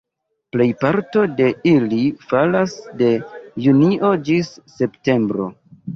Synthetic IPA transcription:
ple̞jpaɾto̞de̞ilifalasde̞juniʔo̞d͡ʒisːe̞pte̞mbɾo̞̰

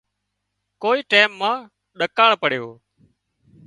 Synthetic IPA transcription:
koːiːʈaːmːãː | ɗəkaːɳpəɽjoː

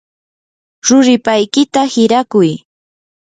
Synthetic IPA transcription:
ɾʊɾɪpajkɪt̪ahɪɾakʊj

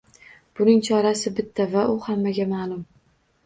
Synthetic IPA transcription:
b̥ʊnɪŋt͡ʃʰɒɾasɪbɪt̪ʰːavaʔʊhamːaɡʲamaːlˠʊm

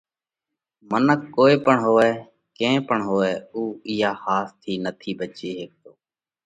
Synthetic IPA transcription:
mənəkːoːeːpəɳɦoːʋɛː | kẽːpəɳɦoːʋɛːuːɪːaːhaːst̪ʰiːnət̪ʰiːbət͡ʃeːɦeːk̚t̪oː

